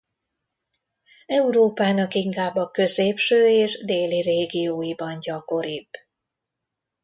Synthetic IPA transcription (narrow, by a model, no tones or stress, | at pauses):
ɛuɾoːpaːnɒkiŋkaːbːɒkø̞zeːpʃøːeːʒd̪eːlireːɡijoːjibɒnɟɒko̞ɾib̥